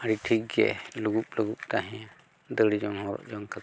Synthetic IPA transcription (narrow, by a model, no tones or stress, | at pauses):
aɾiʈʰik̚ɡɛ̰luɡup̚luɡup̚t̪aɦɛ̃a | d̪əɽid͡ʒɔŋhɔ̃ɾɔ̰ʔd͡ʒɔŋka